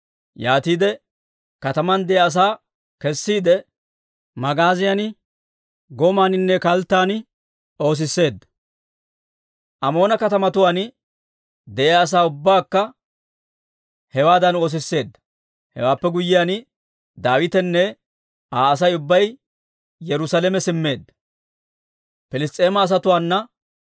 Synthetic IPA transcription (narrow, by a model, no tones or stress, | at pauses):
jaːt̪iːd̪ɛ | kɐt̪ɐmɐnd̪ɛjaɐs̬aː | kɛsːiːd̪ɛ | mɐɡaːzɪjanɪ | ɡɔmaːnɪnːɛkɐlt̪ːaːnɪ | o̞ːs̬ɪsːe̞ːd̪ːɐ̥ | ʔɐmo̞ːnɐkɐt̪ɐmɐt̪ʊwaːn | d̪ɛʔaːs̬aːʊbːaːkːɐ | hɛwaːd̪ɐno̞ːs̬ɪsːe̞ːd̪ːɐ̥ | hɛ̰waːpːɛɡʊjːɪjaːn | d̪aːwɪt̪ɛnːɛ | aːs̬ɐjʊbːɐj | jɛɾʊsalɛmɛsɪmːe̞ːd̪ːɐ | pɪlɪst̪ʼːe̞ːmɐːs̬ɐt̪ʊwaːnːɐ